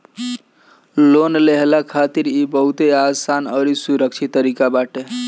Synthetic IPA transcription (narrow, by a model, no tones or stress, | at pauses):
lonleɦlakʰat̪iɾibəɦut̪easanəɾisuɾəkt͡ʃʰit̪ːəɾikabaʈe